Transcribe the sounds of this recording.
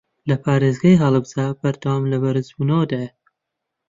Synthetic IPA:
lɐpʰaːɾeːzɡaːjɦɐlˠɨbzabɐɾd̪ɐwaːmlɐbɐɾɨzbuːnɐwɐd̪aja

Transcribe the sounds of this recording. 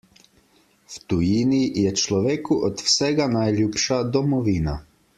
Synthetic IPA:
wt̪ujiːnijɛt͡ʃlɔʋeːkuʔɔt̪wsɛːɡanajljuːpʃad̪ɔmɔʋiːna

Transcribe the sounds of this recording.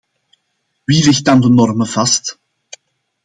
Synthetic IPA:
ʋilɪxt̚dɑndənɔrməv̥ɑst

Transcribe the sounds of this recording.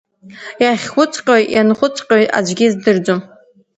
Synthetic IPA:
jaχʲχʷʊt͡sʼqʲʼojjanχʷʊt͡sʼqʲʼoja̰d͡ʒʷɡʲizdɨrd͡zom

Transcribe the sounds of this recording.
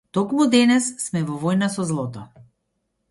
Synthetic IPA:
t̪ɔkmud̪ɛnɛsːmɛvɔvɔjnasɔzlˠɔt̪ɔ

